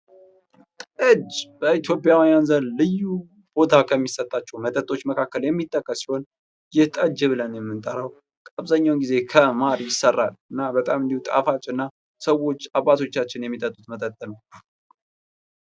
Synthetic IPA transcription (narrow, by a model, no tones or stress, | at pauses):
t̪ʼɨd͡ʒb̥əit̪jo̞pʼjawijanzənlɨjːu | b̥o̞t̪ʰakʰəmːisət̪ʼːat͡ʃːɛwmət̪ʼət̪ʼo̞t͡ʃːməkʰakːəljɛmːit̪ʰːəkːəsi̥ho̞n | jɛht̪ʼəd͡ʒɛβɨlənjɛmːɨnt̪ʼəɾəw | kʼaβzaɲːawnɡize̞kʰəmaɾijɪsərːalɨnːabət̪ʼamɨnd̪ihut̪ʼa̰fat͡ʃʼːɨnːa | səwːo̞t͡ʃːaβːat̪ʰo̞t͡ʃːat͡ʃːɪnjɛmːit̪ʼət̪ʼːut̪mət̪ʼət̪ʼːənə